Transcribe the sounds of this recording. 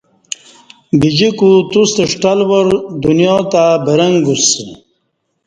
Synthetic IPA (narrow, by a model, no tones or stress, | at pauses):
bid͡ʑikut̪ust̪əʂʈalwoɾd̪unjot̪abəɾɐŋɡus